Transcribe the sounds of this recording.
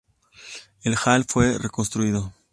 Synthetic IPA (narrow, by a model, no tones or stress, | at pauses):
elxalfwe̞reko̞nst̪ɾuiðo̞